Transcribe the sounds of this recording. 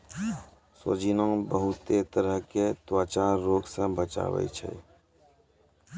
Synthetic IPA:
so̰d͡ʒinõbəɦʊt̪et̪əɾəɦket̪waːt͡ʃaɾːoːɡsə̃bət͡ʃa̰ːwə̰it͡ʃʰɛ̰

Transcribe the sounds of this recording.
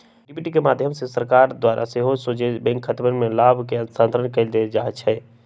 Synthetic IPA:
ɖɪpiːʈikemaːd̪ʱjəmsesəɾkaːɾd̪waːɾʔa̰seɦosod͡ʒebɛ̃ŋkʰət̪bənmẽlaːbʱkeənsãːnt̪ɾəɳkɐid̪ed͡ʒaːɦt͡ʃʰɛː

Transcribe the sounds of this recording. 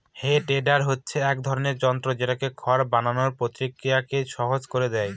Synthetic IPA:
heʈeɖaɾɦotːɕʰeɛk̚d̪ʱɔɾoneɾd͡ʑɔnt̪ɾod͡ʑeʈakekʰɔɾbananoɾpɾot̪ɾikːiakeʃɔɦod͡ʑkoɾed̪ɛj

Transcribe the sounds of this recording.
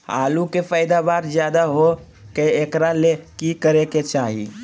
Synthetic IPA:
a̰ːlukefəɪd̪abaːɾd͡ʒjaːd̪aɦo | keekɾalekikəɾeket͡ʃaːɦḭ

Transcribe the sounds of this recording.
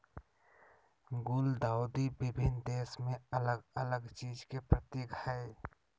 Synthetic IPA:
ɡʊld̪aːʊd̪ibɪbʱɪnd̪eːsmẽɐləɡələɡt͡ʃiːd͡ʒkepɾət̪eːkhɛe

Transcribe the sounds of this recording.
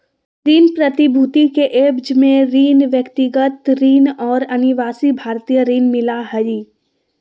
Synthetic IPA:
ɾiːnpɾət̪ɪbʱuːt̪ikeʔeːbd͡ʒmẽɾiːnʋjəkt̪ɪɡət̪ɾiːnɔːɾɐnɪʋaːsibʱaːɾt̪ijəɾiːnmɪlaɦɐiː

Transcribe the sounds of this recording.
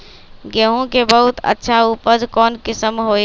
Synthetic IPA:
ɡeɦõkebəɦut̪ə̰tːʃʰaupəd͡ʒkɔːnkɪsəmɦo

